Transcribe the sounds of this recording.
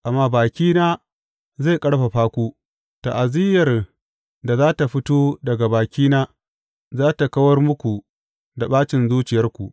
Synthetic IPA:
ʔa˨mːaː˦baː˨kʲiː˦naː˦ | za˦˨jkʼɐ˦ɽɸa˨ɸaː˦kʷu˦ | ta˨ʔa˨zɪ˦jɐ˨r | da˨zaː˦ta˨ɸɪ˦toː˦dɐ˨ɡa˨baː˨kʲiː˦naː˦ | zaː˦ta˨kɐ˦wɐ˦rmʊ˦kʷu˨ | da˨ɓaː˦t͡ʃɪ˨nzuː˦t͡ʃɪ˨jɐ˦rkʷu˨ʔ

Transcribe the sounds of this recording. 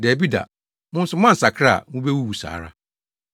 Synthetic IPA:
dɛ˨bi˦da̰˨ | mʊ̃˦n̩˦sʊ˦mã˦n̩˨sa˨kʰa̰˦˨wũ˦be˦wu˦wu˨sa̰ː˨ɾa̰˦

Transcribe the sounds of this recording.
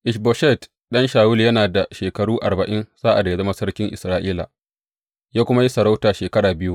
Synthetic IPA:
ʔɪ˨ʃbo˨ʃɛ˦˨t | ɗɐ˦nʃaː˨wʊ˦ljɐ˦naː˨da˨ʃeː˨kɐ˨ɽuː˦ʔa˨rbɐ˨ʔɪ˦nsaː˦ʔa̰˨da˨ja˨zɐ˦ma˦sɐ˦rkʲɪ˦ŋʔɪ˨sɾaː˦ʔiː˦la̰˨ | jaː˦kʷʊ˦ma˦ji˦sɐ˨ɾa˦wtaː˨ʃeː˨kɐ˦ɽaː˨bɪ˦ju˦ʔ

